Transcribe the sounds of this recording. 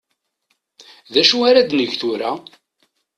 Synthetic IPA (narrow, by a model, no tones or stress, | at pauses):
ðæʃuaɾæd̪nəʝθuɾæ